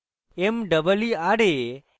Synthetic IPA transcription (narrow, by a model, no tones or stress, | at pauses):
emɖəbəliaɽe